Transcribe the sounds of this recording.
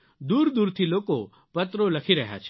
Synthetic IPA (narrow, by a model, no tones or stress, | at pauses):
d̪uːɾd̪uːɾt̪ʰiloːko | pɐt̪ɾolɐkʰiɾɐɦja̰t͡ʃʰ